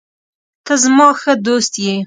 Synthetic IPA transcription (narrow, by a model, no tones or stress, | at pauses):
t̪azmɑxəd̪ost̪je